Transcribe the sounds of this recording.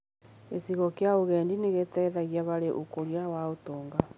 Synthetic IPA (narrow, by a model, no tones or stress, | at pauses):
esiɣɔkeaoɣɛːndineɣetɛðaɣiaβaɾeʔokoɾiawaotoːŋɡa